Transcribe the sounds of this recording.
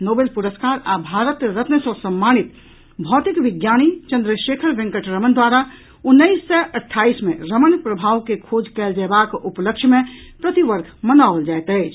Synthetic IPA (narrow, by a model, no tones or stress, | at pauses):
nobelpuɾəskaɾabʱaɾət̪ɾət̪nəsə̃səmːanit̪ | bʱɔt̪ikʋiɡjañit͡ʃə̃nd̪ɾəʃekʰəɾʋẽŋkəʈɾəmənd̪waɾa | unːəisːəʔəʈʰːaismeɾəmənpɾəbʱaʋkekʰod͡ʒkɛld͡ʒɛbakupləkʃʰmẽ | pɾət̪iʋəɾɡʰʱmənald͡ʒajt̪əɪt͡ʃʰ